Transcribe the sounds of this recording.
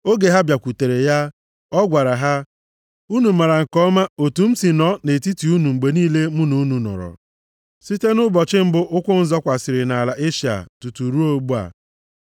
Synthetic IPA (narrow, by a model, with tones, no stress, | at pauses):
o˦ɡe˨ɦa˦bja˨kʷu˨te˨ɾe˨ja˦ | ɔ˦ɡʷa˨ɾa˨ɦa˦ | u˦nu˨ma˨ɾa˨ŋ̩˨kɔ˦ma˦o˨tu˨m̩˦si˨nɔ˦ne˨ti˦ti˨u˦nu˨ŋ͡m̩˨ɡ͡be˨niː˦le˦mʊ˦nu˨˦nu˨nɔ̰˨ɾɔ̰˨ | si˦te˦nʊ˦bɔ˨t͡ʃɪ˦m̩˦bʊ˦ʔʊ˦kʷʊ˦n̩˨zɔ˦kʷa˨sɪ˨ɾɪ˨na˨la˨ʔe˦ʃi˨a̰˨tu˨tu˨ɾu˦o˦ɡ͡bu˦a̰˨